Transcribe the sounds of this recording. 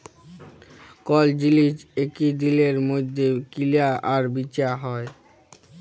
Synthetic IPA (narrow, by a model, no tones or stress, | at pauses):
kɔld͡ʑilid͡ʑekid̪ileɾmod̪ʱːekiliaʔaɾbit͡ɕaɦɔe